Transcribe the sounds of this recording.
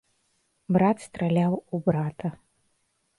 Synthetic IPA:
bɾat̪st̪ɾɐlʲawubɾat̪ɐ

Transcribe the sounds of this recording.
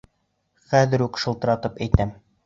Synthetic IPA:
χæðɘ̆ɾʉkʃɤ̆lˠt̪ɤ̆ɾɑt̪ɤpæjt̪æm

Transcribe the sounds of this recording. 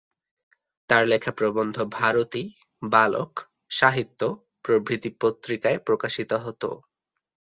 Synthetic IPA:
t̪aɾlekʰapɾobond̪ʱobʱaɾot̪i | balo̰k | ʃaɦit̪ːo | pɾobʱɾit̪ipot̪ːɾikaepɾokaʃit̪oɦot̪o̰

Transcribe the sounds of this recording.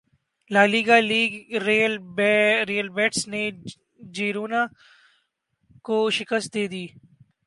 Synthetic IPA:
laːliːɡaːliːɡɾeːlbɾeːəlbɛːʈsne | d͡ʒeːɾoːna | koʃɪkəst̪̚d̪eːd̪iː

